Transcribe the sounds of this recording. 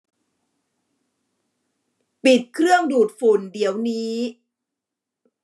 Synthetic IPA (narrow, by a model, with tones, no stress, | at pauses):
pi˨˩t̪̚kʰɾɯ˥˩əŋduː˨˩t̪̚fu˨˩ndi˩˦əwniː˦˥